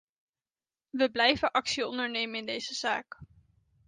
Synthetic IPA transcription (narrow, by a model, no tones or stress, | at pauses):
ʋəblɛjvəʔɑksiɔndəɹnejmənɪndejzəz̥aːk